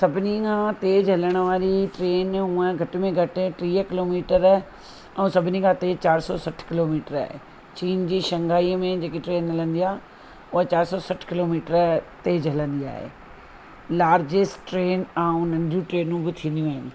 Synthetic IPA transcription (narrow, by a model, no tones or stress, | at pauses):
sɐbʱɪnikʰãːt̪eːd͡ʑɦɐləɽ̃ʊ̆ʋaːɾiʈɾeːnuə̃ɡʱɐʈmẽɡʱɐʈʈɾiːəkɪloːmiːʈəɾ | ɛ̃ũsɐbʱɪnikʰãːt̪eːd͡ʑt͡ɕaːɾsɔsɐʈʰkɪloːmiːʈəɾa̰ːɦḛː | t͡ɕiːnd͡ʑiːʃɐ̃ŋɡaːimẽd͡ʑeːkiʈɾeːnɦɐlə̃nd̪iaː | ʊɦat͡ɕaːɾsɔsɐʈʰkɪloːmiːʈəɾt̪eːd͡ʑɦɐlə̃nd̪ia̰ːɦḛː | laːɾd͡ʑɪsʈʈɾeːnaːũn̤ə̃nɪd̪jũʈɾeːnũbɪt̪ʰĩːn̆d̪ijũaːɦɪnɪ̆